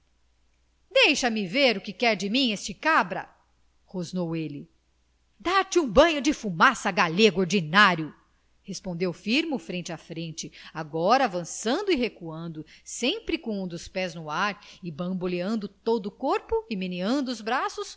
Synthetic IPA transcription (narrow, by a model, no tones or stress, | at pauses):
d̪ejʃɐmɪveɾʊkɪkɛɾd͡ʒɪmĩest͡ʃɪkabɾɐ̰ | hoznowelɪ | d̪at͡ʃũbɐ̃ɲʊd͡ʒɪfumasɐɡaleɡʊoɾd͡ʒinaɾjʊ | hespõnd̪ewfiɾmʊfɾẽnt͡ʃɪɐfɾẽnt͡ʃɪaɡɔɾɐːvɐ̃sɐ̃nd̪ʊihekuɐ̃nd̪ʊsẽpɾɪkõũd̪ʊspɛznʊaɾɪbɐ̃boleɐ̃nd̪ʊt̪od̪ʊːkoɾpʊɪminiɐ̃nd̪ʊːzbɾasʊs